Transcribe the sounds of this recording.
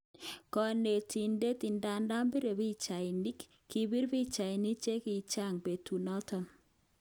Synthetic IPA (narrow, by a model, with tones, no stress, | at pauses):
kɔ˨ne˨ti˨nde˦ti˨nda˨nda˦mbi˦ɾe˨bi˦t͡ʃa˨ɪ˨ni˦k | kːi˨bi˦ɾbi˦t͡ʃa˨ɪ˨ni˦t͡ʃe˦ki˨t͡ʃa˦˨ŋbe˨tu˨nɔ˦tɔ˦n